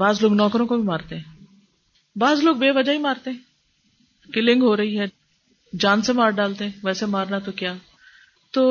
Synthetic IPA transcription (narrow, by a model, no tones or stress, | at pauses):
baːzloːɡnɔːkɾõkobʱimaːɾt̪eɦɛ̃ː | baːzloːɡbeːʋɐd͡ʒaːɦimaːɾt̪eɦɛ̃ː | kɪlɪ̃ŋɡɦoːɾɐɦiɦɛː | d͡ʒaːnsemaːɾɖaːlt̪eɦɛ̃ːʋɛːsemaːɾnat̪okjaː | t̪oː